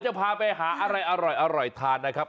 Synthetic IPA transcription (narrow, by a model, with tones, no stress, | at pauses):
t͡ɕa˨˩pʰaː˧pa˧jɦaː˩˦ʔa˧ɾa˧jʔa˧ɾɔ˨˩jʔa˧ɾɔ˨˩jt̪ʰaː˧nːa˦˥kʰɾa˦˥p̚